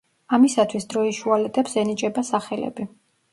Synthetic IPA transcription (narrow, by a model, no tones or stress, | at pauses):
amisat̪ʰwisd̪ɾɔiʃualɛt̪ʼɛpsɛnit͡ʃʼɛbasaχɛlɛ̰bi